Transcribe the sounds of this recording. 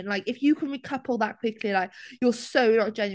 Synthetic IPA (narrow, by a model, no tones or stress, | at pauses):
nlaɪkɪfjəkʰə̃nɹikʰʌpʰəl̩ˠðəʔ̚kʰw̥ɪkʰlilaɪkjəsəʊnəd͡ʒ̥ɛ̃n